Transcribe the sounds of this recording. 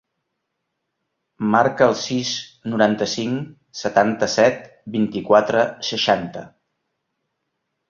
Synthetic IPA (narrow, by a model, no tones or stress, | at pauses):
maɾkəːlˠsisnuɾant̪əsiŋ | sət̪ant̪əsɛt̪̚ | bint̪ikwat̪ɾəsəʃant̪ə